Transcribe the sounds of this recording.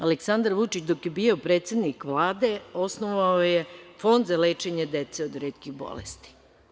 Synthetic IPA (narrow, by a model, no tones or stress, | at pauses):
aleksand̪aɾʋut͡ʃit͡ɕd̪o̞kjebiːo̞pɾeːt̪se̞d̪nikʋlˠaːd̪e̞o̞snoʋaojefo̞nd̪zaleːt͡ʃe̞ɲed̪et̪seod̪ɾeːt̪kiɣbo̰lḛst̪i̥